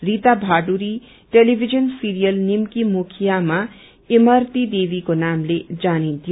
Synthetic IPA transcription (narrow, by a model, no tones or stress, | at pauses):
rit̪abʱaɖuɾi | ʈelibʱid͡ʒʌnsiɾijʌlnimkimukʰijama | emʌɾt̪id̪ebikonamled͡zanĩnt̪ʰijo